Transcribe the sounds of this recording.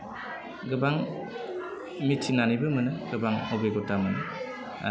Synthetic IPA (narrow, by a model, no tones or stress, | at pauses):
ɡɯbaŋ | mitʰːinanibɯmɯnɯɡɯbaŋobeɡotamɯnɯ